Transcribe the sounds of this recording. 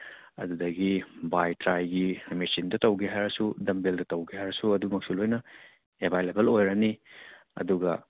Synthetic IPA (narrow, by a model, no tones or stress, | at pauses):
ɐ̰dudɐɡibajtɾajɡimisindɐtɐwɡeɦajɾɐsudɐmbeldɐtɐwɡeɦajɾɐsuɐdumɐk̚sulojnɐ | ebʱajlebɐlojɾɐni | ɐ̰duɡɐ